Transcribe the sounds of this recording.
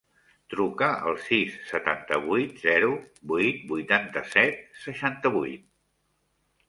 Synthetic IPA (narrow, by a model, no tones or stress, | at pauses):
t̪ɾukəə̰lˠsisːət̪a̰nt̪əβujt̪zɛɾubujt̪̚bujt̪ant̪əsɛt̪̚səʃant̪əβujt̪̚